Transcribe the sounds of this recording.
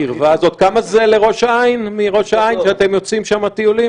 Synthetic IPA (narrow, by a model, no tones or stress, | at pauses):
iʁvazo̞t̪kamaze̞le̞ʁo̞ʃainmiʁo̞ʃaainʃeat̪e̞mjo̞t͡simʃamat̪iulim